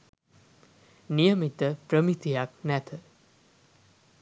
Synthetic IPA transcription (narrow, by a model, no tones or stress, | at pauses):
nijəmit̪əpɾəmit̪ijak̚næt̪ʰə